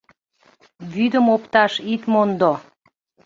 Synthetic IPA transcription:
βyd̪əmopt̪ɑʃit̪mond̪o

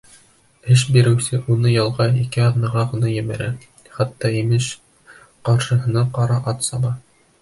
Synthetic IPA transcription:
ɘʃ̬biɾɘ̆wsɘʔunɤjɑlˠʁɑikɘɑðnɤ̆ʁɑʁɤ̆nɑjɘ̆βæɾæ | χɑt̪ːɑimɘʃ | qɑɾʃɤ̆ɦɤ̆nɑqɑɾɑʔɑt̪sɑbɑ

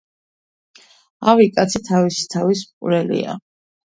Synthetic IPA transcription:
avikʼat̪sʰit̪ʰavisi̥t̪ʰavismqʼuɾɛlḭa̰

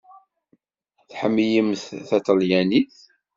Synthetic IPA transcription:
θħəmːijəmθθæt̪əljæniθ

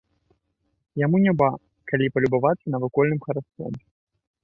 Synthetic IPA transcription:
jamunʲɛba | kalʲipɐlʲubavat̪sːɐnɐvɨkɔlʲnɨmxɐɾask̪ɔ̰m

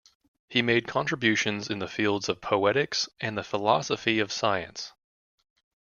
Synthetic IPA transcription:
himeɪd̚kʰɑ̃nt͡ʃɹ̥əbjʉʃɨ̃nzɨ̃nðɨfilˠdz̥ʌv̥pʰoʊɛɾɪksɨ̃nðɨfəlɑ̰səfiʌv̥saɪɨ̰̃ns

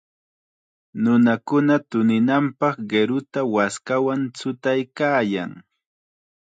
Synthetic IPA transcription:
nʊnakʊnat̪ʊnɪnampɑχɢeɾʊt̪awaskawant͡sʊt̪ajkaːjaŋ

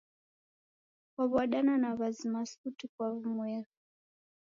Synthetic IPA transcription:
kwaβuaɗananaβazimasutikwaβumuɛɣu

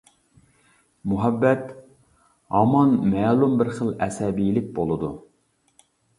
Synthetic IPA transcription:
muɦɛbːɛt̪ | ɑmɑnmɛːlˠumbɪɾχəlˠɛ̰sɛbilɪk̚ʲbolˠɨd̪u

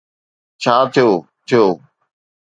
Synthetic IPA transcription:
t͡ɕʰaːt̪ʰijoː | t̪ʰɪjoː

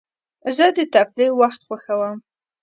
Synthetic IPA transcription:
zəd̪ət̪afɾewaxt̪xwaxawəm

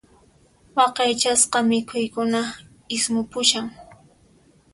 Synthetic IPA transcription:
wɑqɑjt͡ʃasqɑmɪkʰʊjkʊna | ɪsmʊpʊʃaŋ

